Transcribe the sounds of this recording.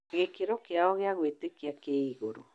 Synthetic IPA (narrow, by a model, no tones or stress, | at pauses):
ɣekeɾokeaɔɣeaɣwetekiakeiɣoɾo